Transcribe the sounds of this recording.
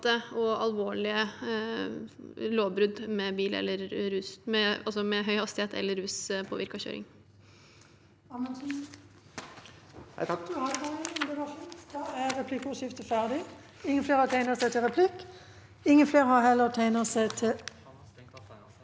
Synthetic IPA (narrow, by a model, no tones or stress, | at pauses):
t̪əɔɑlʋoːɭɪə | loːbɾʉd̪mɛbiːlɛ̰lːəɾːʉːsmɛɑlsɔmɛɦœʏhɑst̪ɪheːt̪ɛ̰lːəɾːʉːspʰo̰ːʋɪɾkɑçø̰ːɾɪ̰ŋ | nd̪ɪkɑʃuːnskɑæɾɛpʰlɪkʊʃɪft̪əfæʁd̪ɪ | ɪŋːənfleːɾhɑt̪ʰæɪnəʁsæɪt̪ʰɪlʁɛpʰlɪkː | ɪŋːənfleːɾhɑhɛlːəʁt̪ʰæɪnəsæɪt̪ʰɪ